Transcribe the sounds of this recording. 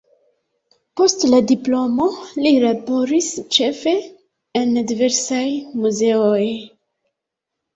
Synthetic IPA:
po̞stladiplo̞mo̞lilabo̞ɾist͡ʃe̞fe̞ | endive̞ɾsajmuze̞oj

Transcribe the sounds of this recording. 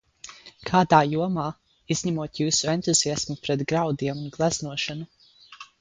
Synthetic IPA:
kʰaːd̪aːjuɔmaː | izʲɲæmuɔt̪juːsuent̪uziasmupɾɛt̪ɡɾawd̪iɛmunɡlˠæznuɔʃanu

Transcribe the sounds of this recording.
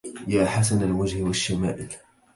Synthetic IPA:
jaːħas̬analmad͡ʒhɪwaʃːamaːʔɪl

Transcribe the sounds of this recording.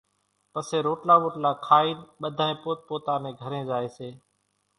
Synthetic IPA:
pəseːɾoːʈlaːʋoːʈlaːkʰaːiːnɓəd̪ʱaːẽːpoːt̪̚poːt̪aːneːɡʱəɾẽːzaːeːseː

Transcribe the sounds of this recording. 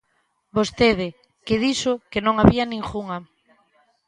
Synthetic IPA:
bost̪eðɪ | keðisokenõŋaβianĩŋxuŋa

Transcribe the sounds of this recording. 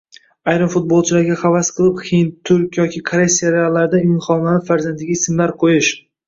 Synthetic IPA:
ajɾɪmfʊt̪̚bolˠt͡ʃʰɪlaɾɡʲaχɑvasqʰɨlˠɪphint̪ʰʊɾkʲjɒkʲʰɪkʰɾesʲːiaɾealˠːaɾd̪ajnχɒmanɪfaɾzand̪ʰɪɡʲaɪsɪmlaɾqʰojɪʃ

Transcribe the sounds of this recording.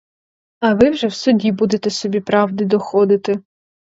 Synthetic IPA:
ɐʋɪwʒɛwsʊdʲibud̪et̪ɛsɔbʲipɾɑwd̪ɪd̪ɔxɔd̪ɪt̪ɪ

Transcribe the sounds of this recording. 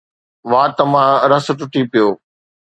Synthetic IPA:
ʋaːt̪ɐmãɾɐsʈʊʈipɪjoː

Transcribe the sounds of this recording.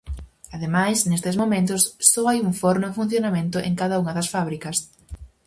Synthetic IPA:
aðemajsnest̪ɪzmomẽnt̪ʊsːɔajuŋfɔɾnʊfun̟θjonamẽnt̪ʊʔḛŋkaðɐuŋɐðɐsfaβɾikɐs

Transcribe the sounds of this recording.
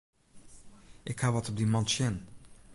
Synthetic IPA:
ʔɪkhaʋɔtɔp̚dimɔntʃɪn

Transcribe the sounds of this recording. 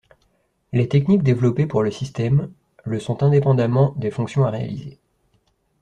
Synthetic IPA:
let̪ɛknik̚d̪evlɔpepuʁləsist̪ɛm | ləsɔ̃t̪ɛ̃d̪epɑ̃d̪amɑ̃d̪efɔ̃ksjɔ̃aʁea̰lize

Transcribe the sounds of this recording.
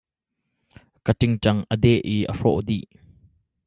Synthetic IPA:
kətɪŋt͡ʃɐŋʔəd̪ɛʔiʔə̰ʂɔʔd̪iʔ

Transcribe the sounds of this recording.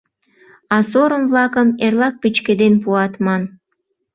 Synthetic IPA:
ɑsoɾəmvlɑkəmerlɑk̚pit͡ɕked̪enpuɑt̪mɑn

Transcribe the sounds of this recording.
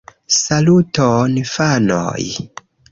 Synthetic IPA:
salutonfano̰j

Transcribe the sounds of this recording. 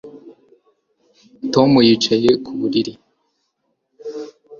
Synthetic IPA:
tomujit͡ʃajekʰuβuɾiɾi

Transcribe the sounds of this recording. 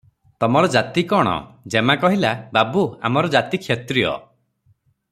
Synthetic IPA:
t̪ɔmɔɾɔd͡ʒat̪ikɔɽ̃ɔ̰d͡ʒemakɔɦilababua̰mɔɾɔd͡ʒat̪ikʰjet̪ɾiɔ̰

